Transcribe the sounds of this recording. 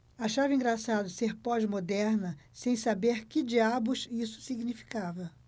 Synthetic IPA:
aʃavɪĩŋɡɾasad̪ʊseɾpɔd͡ʒmod̪ɛɾnɐsẽj̃sabeɾkɪd͡ʒiabʊʃisʊ̥siɡnifi̥kavɐ

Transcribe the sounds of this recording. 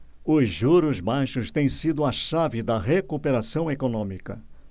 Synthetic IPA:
ʊzʒuɾʊzbajʃʊst̪ẽj̃sid̪ʊɐʃavɪd̪ɐɦekupeɾasɐ̃w̃ekonõmikɐ̰

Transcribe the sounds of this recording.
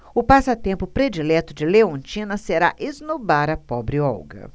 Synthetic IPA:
ʊpasɐt̪ẽmpʊpɾed͡ʒilɛt̪ʊd͡ʒɪleõnt͡ʃĩnɐseɾa̰ʔeznubaɾɐpɔbɾɪɔ̰wɡɐ̰

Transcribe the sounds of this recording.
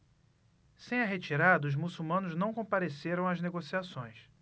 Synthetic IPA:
sẽj̃ɐɦet͡ʃiɾad̪ɐuzmusuwmɐ̃nʊznɐ̃w̃kõpaɾeseɾɐ̃w̃ɐzneɡosiasõj̃s

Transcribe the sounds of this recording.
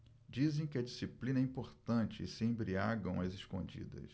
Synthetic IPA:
d͡ʒizẽj̃kɪɐd͡ʒisiplĩnɐɛĩpoɾt̪ɐ̃nt͡ʃɪːsɪẽj̃bɾiaɡɐ̰̃w̃ɐzeʃkõ̰d͡ʒḭd̪ɐ̰s

